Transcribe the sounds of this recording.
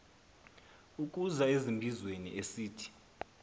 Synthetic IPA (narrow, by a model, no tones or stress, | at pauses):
uk̬ʼuzaezimbʱizwenḭʔesiːtʰi̥